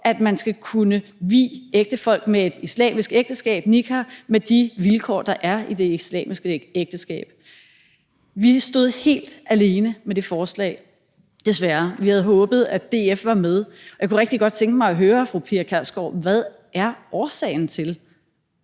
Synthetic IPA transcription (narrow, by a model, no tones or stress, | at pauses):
ʔæd̥mænsɡ̥ækʰunəʋḭːeɡ̥̚d̥əfɒ̽l̰ɡ̥̚mee̝d̥islɛ̰ːmisɡ̥eɡ̥̚d̥əsɡ̥ɛ̰ːb̥nikʰæmed̥iʋilkʰɒ̰ːd̥ɑ̈ʔæɐid̥e̝islɛ̰ːmisɡ̥əeɡ̥̚d̥əsɡ̥ɛ̰ːb̥ | ʋisd̥o̝ðˠhe̝̰ːld̥ʔæle̝ːnəmed̥e̝fɒːslɛ̰ɪ | d̥e̝sʋæɐʋihæð̞̩ˠɦɔ̽ːb̥ð̞̩ˠæd̥e̝ːefʋɑ̈með̞ˠɒjaɪkʰuʁeɡ̥d̥iɡ̥ɒ̽d̥̚t͡sʰeŋɡ̥əmɑ̈ɪɒɦøːɐfʁupʰiɐkʰæsɡ̥ɒ̰ʋæð̞ˠ | ʔæɐʔɒːsɛ̰ːɪn̩t͡sʰe̝l